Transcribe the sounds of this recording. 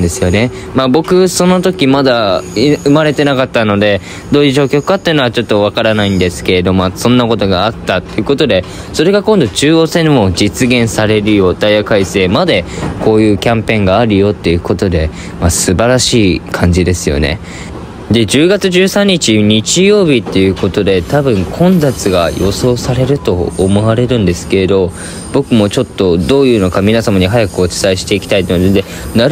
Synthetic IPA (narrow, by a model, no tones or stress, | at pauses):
d̪e̞sɨjo̞ne̞ | mabo̞kɯ̟so̞no̞t̪o̞kʲimad̪aɯ̟maɾe̞t̪e̞nakat̪ːano̞d̪e̞ | d̪o̞ːd͡ʑiɕo̞ːkʲo̞kɯ̟̥kat̪ːei̟noat͡ɕo̞t̪ːo̞β̞akaɾanaĩnd̪e̞sɨ̥ke̞ɾe̞d̪o̞masõ̞nːako̞t̪o̞ɡaːt̪ːat̪ːe̞iɯ̟ko̞t̪o̞d̪e̞ | so̞ɾe̞ɡakõnd̪o̞t͡ɕɨːo̞ːse̞nomo̞d͡ʑit͡sɨɡẽ̞ɰ̃saɾe̞ɾɯ̟jo̞d̪aiakaise̞ːmad̪e̞ko̞ːjɯ̟ːkʲãmpẽ̞ŋɡaːɾɯ̟jo̞t̪ːe̞jɯ̟ko̞t̪o̞d̪e̞ | masɨbaɾaɕiːkʰãɲ̟d͡ʑid̪e̞sɨjo̞̰ne̞̰ | d̪e̞d͡ʑɨːɡat͡sɨʑɨːsãɲ̟ːit͡ɕiɲ̟it͡ɕijo̞ːbʲit̪ːe̞jɯ̟ːko̞t̪o̞d̪e̞t̪abɯ̟̃ŋkʰõ̞nd͡zat͡sɨɡa̰jo̞so̞ːsaɾe̞ɾɯ̟t̪o̞ːmo̞βaɾe̞ɾɯ̟̃nd̪e̞sɨ̥ke̞ɾed̪o̞ | b̥o̞kɯ̟mo̞t͡ɕo̞t̪ːo̞d̪o̞ːjɯ̟ːno̞kamʲinasamaɲ̟iɦajakɯo̞t͡ɕi̥saiɕi̥t̪e̞ikʲi̥t̪ait̪onod̪e | na